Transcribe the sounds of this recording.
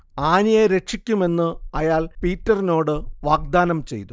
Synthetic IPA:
aːnijeɾe̞kʂikʲːume̞nːɨɐjaːɭpiːtːɐrino̞ːɽɨʋaːɡ̚d̪aːnɐmt͡ɕe̞jt̪u

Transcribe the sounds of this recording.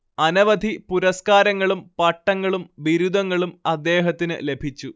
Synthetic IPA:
ɐnɐʋɐd̪ʱipuɾɐskaːɾɐŋːɐɭumpɐʈːɐŋːɐɭumʋiɾud̪ɐŋːɐɭumɐd̪ːe̞ːɦɐt̪ːinɨ̰le̞bʱit͡ɕːu

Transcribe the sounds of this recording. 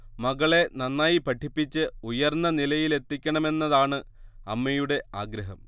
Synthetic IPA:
mɐɣɐɭe̞nɐnːaːjipɐʈʰːipːit͡ɕːɨujɐrnːɐnilɐjile̞t̪ːikʲːɐɳɐme̞nːɐðaːɳɨɐmːɐjuɽe̞aːɡɾɐɦɐm

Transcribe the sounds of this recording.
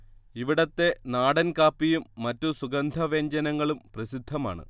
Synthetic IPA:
iʋiɽɐt̪ːe̞naːɽɐnkaːpːijumːɐtːusuɡɐnd̪ʱɐʋeːɲd͡ʑɐnɐŋːɐɭumprɐsid̪ʱːɐma̰ːɳɨ̰

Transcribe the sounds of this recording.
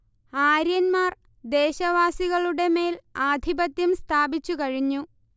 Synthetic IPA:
aːɾjɐnmaːr | d̪e̞ːɕɐʋaːsiɣɐɭuɽe̞me̞ːlaːd̪ʱibɐt̪ːjɐmst̪ʰaːbit͡ɕːukɐɻiɲːu

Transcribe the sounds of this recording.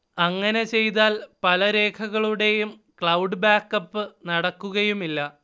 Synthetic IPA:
ɐŋːɐne̞t͡ɕe̞jt̪̬aːlpɐlɐɾe̞ːkʰɐɣɐɭuɽe̞jum | kɭɐwɖɨbaːkːɐpːɨnɐɽɐkːuɣɐjumilːɐ

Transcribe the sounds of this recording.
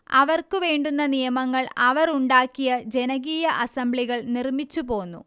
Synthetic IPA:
ɐʋɐrkɨʋe̞ːɳɖunːɐnijɐmɐŋːɐɭɐʋɐɾuɳɖaːkːijɐd͡ʑe̞nɐɣiːjɐʔɐsɐmbɭiɣɐɭnirmit͡ɕːupo̞ːnːṵ

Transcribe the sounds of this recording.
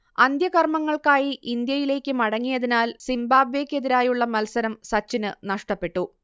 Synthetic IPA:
ɐnd̪ʱjɐkɐrmɐŋːɐɭkaːjiʔind̪jɐjile̞ːkʲːɨmɐɽɐŋːijɐðinaːlsimbaːbʋe̞ːkʲːe̞ðiɾaːjuɭːɐmɐlsɐɾɐmsɐt͡ɕːinɨnɐʂʈɐpːe̞ʈːu

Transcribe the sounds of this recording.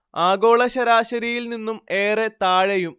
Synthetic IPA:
aːɡo̞ːɭɐɕɐɾaːɕɐɾijilninːume̞ːret̪aːɻɐjum

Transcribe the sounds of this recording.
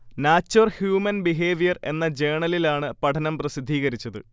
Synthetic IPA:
naːt͡ɕːorhjuːmɐnbiɦeːʋijɐre̞nːɐd͡ʑe̞ːɳɐlilaːɳɨpɐʈʰɐnɐmprɐsid̪ʱːiːɣɐɾit͡ɕːɐðɨ̰

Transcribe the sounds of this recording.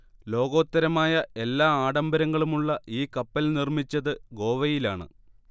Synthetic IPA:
lo̞ːɡo̞ːt̪ːɐɾɐmaːjɐe̞lːaːaːɽɐmbɐɾɐŋːɐɭumuɭːɐiːkɐpːɐlnirmit͡ɕːɐðɨɡo̞ːʋɐjilaːɳɨ̰

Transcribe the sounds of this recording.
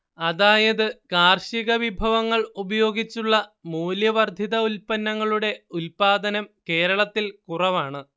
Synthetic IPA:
ɐðaːjɐðɨkaːrɕiɣɐʋibʱɐʋɐŋːɐɭubɐjo̞ːɡit͡ɕːuɭːɐmuːljɐʋɐrd̪ʱiðɐulpɐnːɐŋːɐɭuɽe̞ulpaːd̪ɐnɐmke̞ːɾɐɭɐt̪ːilkurɐʋaːɳɨ

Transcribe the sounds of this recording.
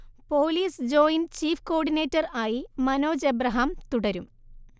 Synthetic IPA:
po̞ːliːsd͡ʑo̞ːjint͡ɕiːfko̞ːɖineːtːɐraːjimɐno̞ːd͡ʑebrɐɦɐmt̪uɽɐɾum

